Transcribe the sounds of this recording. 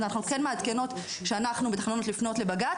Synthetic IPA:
anaχnukenmead̪ke̞no̞t̪ | ʃeanaχnubet̪ḁχnonot̪lifno̞tle̞baɡat

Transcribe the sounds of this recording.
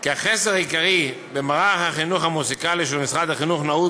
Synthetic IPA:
kiaχeseʁajikaʁi | bemaʁaχhaχinuχhamusikaliʃ̬elmisχad̪aχinuχnau

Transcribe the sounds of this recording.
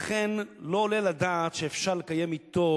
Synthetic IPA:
aχenlo̞ːlelad̪aːt̪ʃeːfʃaʁlekaje̞mit̪o

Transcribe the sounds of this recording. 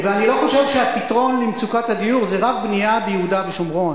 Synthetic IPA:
veanilo̞χo̞ʃe̞vʃeapit̪ʁo̞nlimt͡sukatad̪ijuʁzeʁak̚bniabejeud̪aveʃomʁo̞n

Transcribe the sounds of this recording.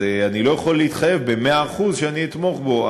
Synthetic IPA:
eanilo̞jaχo̞lːeit̪χaje̞vbe̞me̞aːχuzʃeaniːt̪mo̞χbo̞a

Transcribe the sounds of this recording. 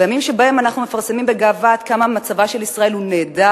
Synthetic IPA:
ejamimʃebae̞manaχnume̞faʁsemimbe̞ɡaːvat̪kamamat͡savaʃe̞lisʁae̞lhuneːda

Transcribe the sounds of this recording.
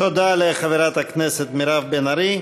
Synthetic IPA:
od̪aleχaveɾat̪hakneset̪miɾavbenaɾi

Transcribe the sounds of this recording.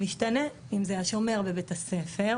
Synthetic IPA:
miʃtane | imzeajaʃomeʁbebetase̞fe̞ʁ

